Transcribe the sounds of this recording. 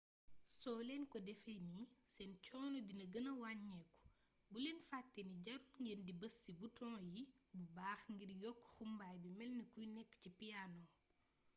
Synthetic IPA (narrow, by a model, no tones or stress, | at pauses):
sɔːlɛnkɔdɛfɛnisɛnt͡ʃɔːnɔdinɐɡənɐwaɲːɛkːu̥ | bulɛnfatːɛniɟɐɾuŋɡəndibɐsːibutɔ̃ːjibubaːxŋɡiɾjɔkːxumbajbimɛlnəkujnɛkːcipijanɔ